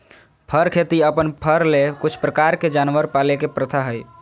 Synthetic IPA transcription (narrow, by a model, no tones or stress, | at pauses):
pʰəɾkʰet̪iəpənpʰəɾlekut͡ʃʰpɾəkaɾked͡ʒanʋəɾpalekepɾət̪ʰaɦəj